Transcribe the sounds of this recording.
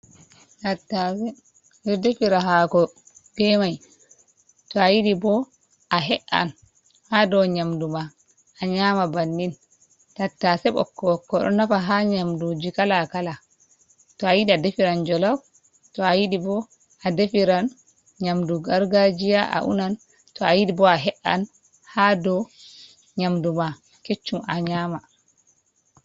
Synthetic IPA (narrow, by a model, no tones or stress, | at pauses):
tatːasɛ | nɛdefiɾaɦakɔ | ɡ̥ɛmaj | tɔajiɗibɔ | ʔaɦɛʔa̰n | hadɔɲamduma | aɲaːmabanːin | tatːasɛɓɔ̰kːɔkːɔɗɔ̰nafaɦaɲamdod͡ʒikalakala | tɔajiɗiadefiɾand͡ʒɔlaf | tɔajiɗibɔ | adefiɾan | ɲamduɡaɾɡad͡ʒijaʔa̰ʔṵnan | tɔajiɗibɔaɦɛʔːa̰n | hadɔ | ɲamduma | ket͡ʃːumaɲaːma